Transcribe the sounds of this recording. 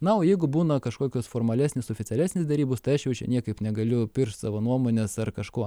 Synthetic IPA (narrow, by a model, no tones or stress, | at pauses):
nɐoːjɛɪɡʊbuːnɐkɐʃkoːkʲoːsfoːɾmɐlʲæːsʲnʲɪsoːfʲɪt̪t͡sʲsʲɛlʲæːsʲnʲɪsd̪ʲɛɾʲiːboːst̪ɐɪɐʃjɛʊt͡ʃʲɛ̰nʲiɛkɐɪpnʲɛɡɐlʲʊpʲɪrʃt̪ʲsɑːʋoːnuɔmoːnʲesɐrkɐʃkoː